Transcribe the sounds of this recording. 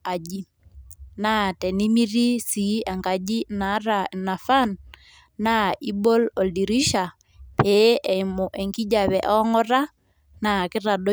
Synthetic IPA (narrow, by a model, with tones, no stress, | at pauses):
a˨d͡ʒi˦ | na˦tɛ˨ni˦mi˦ɾi˦si˨˦a˨ŋka˨d͡ʒi˦na˨˦ɾa˨na˨fa˦nː | a˦i˦bo˦lɔ˨ldi˨ɾi˦ʃa˨ | pe˨˦ʔɛ˨imɔ˨ʔe˨ŋki˦ɟa˨βɛ˨ʔɔ˦ŋɔ˦ɾa˦ | na˨kɪ˦ɾa˨ɗo˦